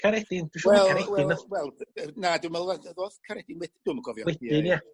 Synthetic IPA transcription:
kʰaɾɛd̥ɪnd̥uʃwwɛlˠaɾɛɪnɔwɛlˠnadumɛlˠaðoːðkʰaɾɛd̥ɪnwɛd̥ɪd̥ʊːməɡɔvjɔwɛdɪnja

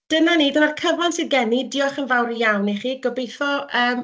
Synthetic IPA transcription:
d̥ənaniːdənarkʰəvansɨðɡɛnidɪɔχənvawɾijawniχiːɡ̥ɔbejθɔʔəːm

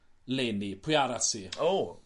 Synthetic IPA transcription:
lɛnipʰʊjaɾatʰiːoː

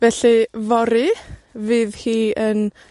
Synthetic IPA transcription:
vɛɬivɔɾivɨːðhiːən

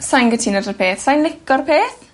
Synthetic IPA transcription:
sajnɡətʰinədəpʰeːθsajnlɪkɔrpʰeːθ

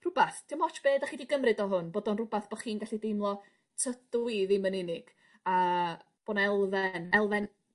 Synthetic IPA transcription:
rʊbaθtʰɪmɔt͡ʃʰb̥eːdaχiːdiɡəmrɨdɔɦʊnboːdɔnrʊbaθb̥ɔ̥χiːnɡaɬidejmlˠɔ | tʰədwiðimənɪnɪɡ̥ | aə | b̥oːnɛlˠvɛnɛlˠvɛn

